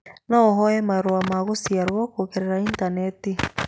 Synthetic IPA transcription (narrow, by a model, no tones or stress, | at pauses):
nɔːɦɔɛmaɾwamaɣosiaɾwɔkokeɾeɾaintaneti